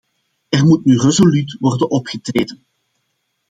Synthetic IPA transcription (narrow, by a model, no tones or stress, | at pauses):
ɛrmutnyrezolytʋɔrdənʔɔpxətreːdən